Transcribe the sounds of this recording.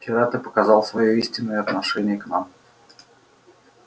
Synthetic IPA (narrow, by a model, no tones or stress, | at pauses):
kʲɪɾat̪ɨpəkɐzɑlˠsvɐjoisʲtʲɪnːəjəɐt̪nɐʂɛnʲɪjəkna̰m